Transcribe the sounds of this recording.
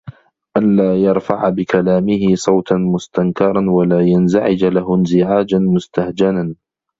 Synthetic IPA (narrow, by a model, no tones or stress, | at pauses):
ʔanlaːjɑɾˤfaʕabɪkalaːmɪhɪsˤɑwt̪nmʊst̪aŋkɑɾˤɑnwalaːjanzaʕɪd͡ʒlaɦnzɪʕaːd͡ʒanmʊst̪ahd͡ʒanan